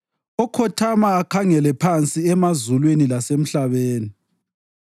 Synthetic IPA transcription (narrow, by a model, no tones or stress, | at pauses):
ɔkʰɔtʰamaːkʰaŋɛlɛpʰant͡sʼiɛmazulwenilasem̩ɬaβeːni